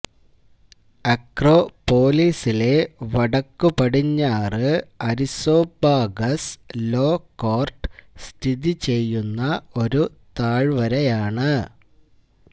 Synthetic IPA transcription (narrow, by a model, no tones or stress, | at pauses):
ɐkro̞ːpo̞ːliːsile̞ʋɐɽɐkːupɐɽiɲːaːrɨɐɾiso̞ːbaːɡɐslo̞ːkːoːrʈst̪ʰiðit͡ɕe̞jːunːɐo̞ɾut̪aːɭʋɐɾɐjaːɳɨ